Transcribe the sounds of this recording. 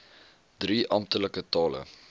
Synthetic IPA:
d̥riʔɐmtələkətɑːlə̰

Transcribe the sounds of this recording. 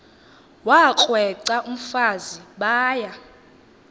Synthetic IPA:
wak͡xʼwɛǀaʔum̩faziɓaːja

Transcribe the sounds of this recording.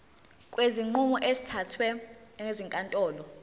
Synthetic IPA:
kʼweziŋ͡ǃumɔʔezitʰatʰwɛŋeziŋkʼantʼɔːlɔ

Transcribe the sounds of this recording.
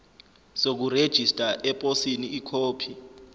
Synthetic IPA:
sok̬ured̥ʒ̥ʱistʼaʔɛpʼosiniːkʰoːpʰi

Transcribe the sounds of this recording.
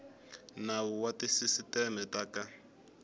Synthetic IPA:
nawuwatisisitɛmɛtaka

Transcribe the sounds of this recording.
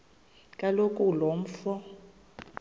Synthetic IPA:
kʼalokʼulom̩fɔ

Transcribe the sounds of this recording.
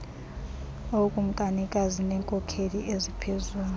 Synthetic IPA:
okʼum̩kʼanikʼazinɛːŋkʼɔkʰeliʔezipʰezuːn

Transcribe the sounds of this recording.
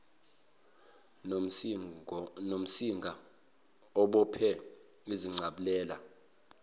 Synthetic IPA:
nom̩siŋɡʱa | ɔɓɔpʰɛ | iziŋ͡ǀʱaɓulɛːla

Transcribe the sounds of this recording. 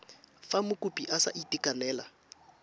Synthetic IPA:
famʊkʼʊpʼiʔasa̰ʔitʼikʼanɛːla

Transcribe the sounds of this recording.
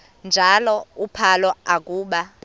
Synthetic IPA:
nd͡ʒʱalɔupʰalɔak̬ʼuːɓa

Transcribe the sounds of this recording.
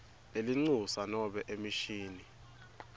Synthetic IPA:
eliŋ͡ǀusanɔɓɛʔemiʃiːni

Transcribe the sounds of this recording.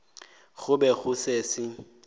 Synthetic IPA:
ɣʊbɛɣʊsesɪ

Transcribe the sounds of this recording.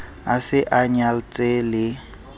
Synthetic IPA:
asɪʔaɲalt͡sʼelɪ

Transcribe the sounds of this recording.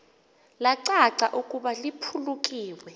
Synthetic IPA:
laǀaǀaʔukʼuɓalipʰulukʼiːwɛ

